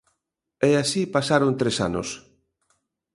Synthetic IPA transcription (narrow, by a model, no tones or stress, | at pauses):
ɛasipasaɾont̪ɾesa̰no̰s